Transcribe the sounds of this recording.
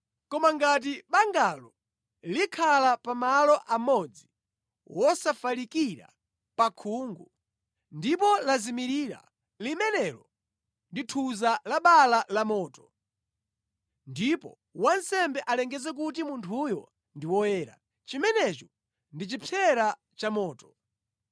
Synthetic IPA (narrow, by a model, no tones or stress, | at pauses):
kɔmaŋɡat̬iɓaŋɡalɔ | likʰalapamalɔʔamɔd͡zi | wɔsafalikiɾa̰ | pakʰuːŋɡu | ndipɔlazimiɾiːɾa̰ | limɛnɛlɔ | nditʰuzalaɓalalamɔːtɔ̥ | ndipɔ̰ | wansɛmbɛʔalɛŋɡɛzɛk̬ut̬imuntʰujɔ̰ | ndiwɔjɛːɾa̰ | t͡ʃimɛnɛt͡ʃɔ | ndit͡ʃipʰɛɾa | t͡ʃamɔːtɔ̥